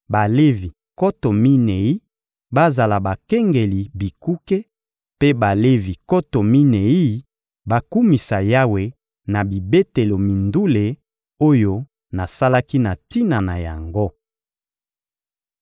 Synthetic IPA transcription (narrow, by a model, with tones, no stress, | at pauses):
ba˨le˦vi˨ | ko˦to˨mi˦ne˨i˦ | ba˦za˨la˨ba˨kɛ˦ŋɡe˨li˨bi˨ku˦ke˦ | pe˦ba˨le˦vi˨ko˦to˨mi˦ne˨i˦ | ba˦ku˦mi˨sa˨ja˦we˨ | na˨bi˨be˦te˨lo˨mi˨ndu˦le˨ | o˦jo˦ | na˨sa˦la˦ki˦na˨ti˦na˨na˨ja̰˨ŋɡo˦